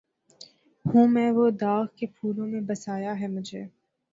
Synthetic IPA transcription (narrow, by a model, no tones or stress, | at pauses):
hũːmɛ̃ːʋod̪aːɣkepʰuːlõmẽbɐsaːjaɦɛmʊd͡ʒʱḛː